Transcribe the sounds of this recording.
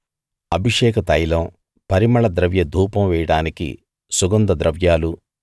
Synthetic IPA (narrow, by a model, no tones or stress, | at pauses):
ɐbʱiʂɛːkɐt̪ɐjlɐm | pɐɾimɐɭɐd̪ɾɐʋjɐd̪ʱuːpɐmʋɛːjɐɽaːnikḭ | suɡɐnd̪ɐd̪ɾɐʋjaːlu